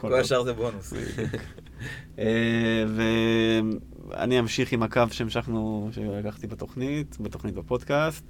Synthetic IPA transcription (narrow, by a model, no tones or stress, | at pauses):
koolaʃaʁzebonnusḛdṵk | eve | a̰niamʃiχimakavʃemʃaχnuʃelakaχt̪ibat̪o̞χnit̪bat̪o̞χnit̪bapo̞d̪kast̪